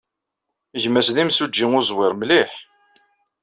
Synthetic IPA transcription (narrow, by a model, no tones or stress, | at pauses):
ʝmːæsðimsud͡ʒːiŋʊzˤwɪɾmliħ